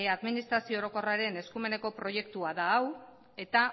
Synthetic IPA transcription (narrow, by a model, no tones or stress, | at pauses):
eaðminist̪ɾasio̞ːɾo̞ko̞raɾe̞ne̞skume̞ne̞ko̞pɾo̞je̞kt̪uaðaːw | e̞t̪a